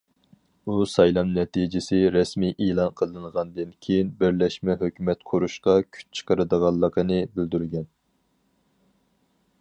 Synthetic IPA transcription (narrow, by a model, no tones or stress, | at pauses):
usɑjlˠɑmnɛt̪id͡ʒɪsɪɾɛsmijʔeːlˠɑnqʰəlˠɨnʁɑnd̪ɨnkʲʰejinbɪɾlɛʃmɛɦøkʲʰymɛt̪qʰoɾuʃqɑkʲʰy̥t͡ʃ̚t͡ʃʰə̥qʰəɾɨd̪əʁɑlˠːəqənɨbɪld̪yɾɡʲɛn